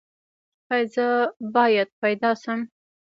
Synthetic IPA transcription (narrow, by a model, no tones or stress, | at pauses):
xajzəbɑjad̪̚pajd̪ɑʃəm